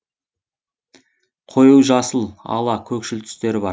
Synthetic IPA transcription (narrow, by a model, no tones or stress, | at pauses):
qʰo̞juwʒɑsəlˠɑ̰lˠɑkʲʰɵkʃɪlt̪ʰʏ̥st̪e̞ɾɪbɑ